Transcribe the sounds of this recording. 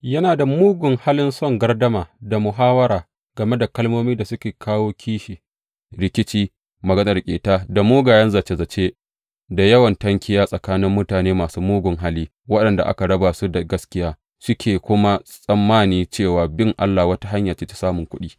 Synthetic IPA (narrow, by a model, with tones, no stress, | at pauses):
jɐ˦naː˨da˨muː˦ɡʷʊ˨ŋha˦lɪ˦nsɔ˦˨ŋɡɐ˦rdɐ˦maː˨da˨mʊ˨ɦaː˦wɐ˦ɾaː˨ | ɡ̥ɐ˨me˦da˨kɐ˦lmoː˦miː˦da˨sʊ˦kʲeː˨kʰaː˦woː˦kʲʰiː˦ʃi˨ | ɽɪ˨kʲɪ˦t͡ʃiː˦ | mɐ˨ɡɐ˦nɐ˨rkʲʼḛː˨taː˦da˨muː˦ɡaː˨jɛ˦nza˨t͡ʃe˨zɐ˨t͡ʃeː˦ | da˨jɐ˦wɐ˨ntɐ˦ŋkʲʰɪ˦jaː˦sʼɐ˨kaː˦nɪ˦mːʊ˦taː˨neː˦maː˨suː˦muː˦ɡʷʊ˨ŋɦa˦liː˦ | wɐ˦ɗɐ˨nda˨ʔa̰˦ka˨ɽɐ˦baː˨su˦da˨ɡɐ˦skʲɪ˦jaː˦ | sʊ˦kʲʰeː˨kʷʊ˦ma˦sʼɐ˨mːaː˦niː˦t͡ʃeː˦˨waː˨bɪ˦ŋʔa̰˦lːa˨wɐ˦ta˦ɦa˦ɲjaː˨t͡ʃeː˦t͡ʃe̥˦saː˦mʊ˨ŋkʷʊ˦ɗiː˦